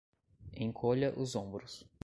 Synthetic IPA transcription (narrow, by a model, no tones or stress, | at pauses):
ẽj̃kʰoʎɐʔʊzõbɾʊs